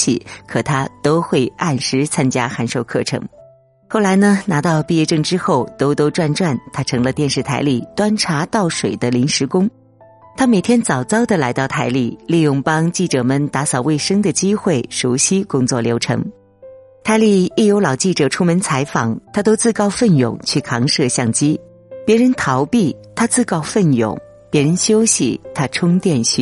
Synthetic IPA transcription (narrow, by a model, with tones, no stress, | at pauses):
t͡ɕʰḭ˥˩kʰɤ˨˩t̪ʰa˥t̪o˥ʊxwe˥˧ɪa˥˩nʂɻ̩˧˥t͡sʰa˥nt͡ɕja˥xa˧˥nʂo˥˧ʊkʰɤ̰˥˩ʈ͡ʂʰɤ̰˧˥ŋ | xo˥˩la˧˥ɪnə˧na˧˥t̪ɑ˥˧ʊpi˥˧jɛ˥˧ʈ͡ʂɤ˥˩ŋʈ͡ʂɻ̩˥xo˥˩ʊt̪o˥ʊt̪o˥ʊʈ͡ʂwa˥˧nʈ͡ʂwa˥˩nt̪ʰa˥ʈ͡ʂʰɤ˧˥ŋlə˧t̪jɛ˥˧nʂɻ̩˥˩t̪ʰa˧˥ɪli˥˩t̪wa˥nʈ͡ʂʰa˧˥t̪ɑ˥˩ʊʂwe˨˩ɪd̪ə˦li˧˥ŋʂɻ̩˧˥kʊ˥ŋ | t̪ʰa˥me˨˩ɪt̪ʰjɛ˥nt͡sɑ˨˩ʊt͡sɑ˥ʊd̪ə˨la˧˥ɪt̪ɑ˥˩ʊt̪ʰa˧˥ɪli˥˩li˥˧jʊ˥˩ŋpɑ˥ŋt͡ɕi˥˩ʈ͡ʂɤ˨˩mə˨nt̪a˧˥sɑ˨˩ʊwe˥˩ɪʂɤ˥ŋd̪ə˨t͡ɕi˥xwe˥˩ɪʂuo˧˥ʊɕi˥kʊ˥ŋt͡swɔ˥˩ljo˧˥ʊʈ͡ʂʰɤ̰˧˥ŋ | t̪ʰa˧˥ɪli˥˧i˥˩jo˧˥ʊlɑ˨˩ʊt͡ɕi˥˩ʈ͡ʂɤ˨˩ʈ͡ʂʰu˥mə˧˥nt͡sʰa˧˥ɪfɑ˨˩˦ŋt̪ʰa˥t̪o˥ʊt͡sɹ̩˥˧kɑ˥˧ʊfə˥˩njʊ̰˨˩ŋt͡ɕʰy˥˩kʰɑ˧˥ŋʂɤ˥˧ɕjɑ˥˩ŋt͡ɕi˥ | pjɛ˧˥ɻə˧˥nt̪ʰɑ˧˥ʊpi˥˩t̪ʰa˥t͡sɹ̩˥˧kɑ˥˧ʊfə˥˩njʊ̰˨˩˦ŋ | pjɛ˧˥ɻə˧˥nɕjo˥ʊɕḭ˨˩t̪ʰa˥ʈ͡ʂʰʊ˥ŋt̪jɛ˥˧nɕy̰˥˩